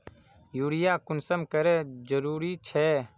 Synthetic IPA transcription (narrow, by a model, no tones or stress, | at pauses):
juːɽɪjaːkʊnsəmkəɾɛːd͡ʒəɾuːɾiːt͡ʃʰɛː